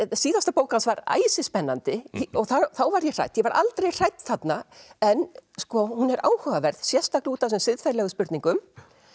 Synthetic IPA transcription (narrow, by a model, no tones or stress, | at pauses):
siːðanst̪apoːwkansvaɾa̰ːjsɪspɛnːant̪ɪɔɣθaθawvaɾjɛr̥a̰jt̪jɛvaɾʔa̰lt̪ɾejr̥ajt̪θat̪naɛnskɔhunɛɾʔaːwhœvavɛɾð̥sjɛ̥st̪akluːt̪as̬ʏmsɪðfaɾlɛɣʏspʏɾt̪niŋkʏm